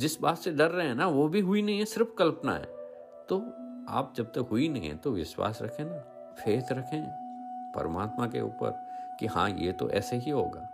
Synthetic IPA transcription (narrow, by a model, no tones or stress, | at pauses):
d͡ʒɪsbaːt̪seɖɐɾːɐɦeɛ̃naʋobʱiɦʊinɐɦĩɦɛ̃sɪɾfkɐlpna̰ɦɛ̰ː | t̪oaːp̚d͡ʒɐb̚t̪ɐkɦʊinɐɦĩɦɛ̰̃t̪oʋɪ̰ʃwa̰ːsɾɐ̰kʰẽna | fʰeːt̪ʰɾɐkʰẽːpɐ̰ɾəmaːt̪makḛṵːpə̰ɾkihã̰jḛt̪o̰ʔɛ̰ːseɦiɦo̰ːɡaː